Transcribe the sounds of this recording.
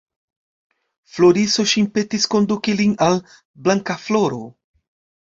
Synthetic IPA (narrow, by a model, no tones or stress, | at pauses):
flo̞ɾiso̞ʃinpe̞tisko̞ndukilinal | blaŋkaflo̞ɾo̞̰